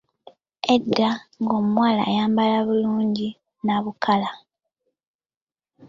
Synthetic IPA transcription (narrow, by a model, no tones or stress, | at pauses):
edːaŋɡo̞mmwaːla̰ːjaːmbalaβuluːɲɟi | naβukʰala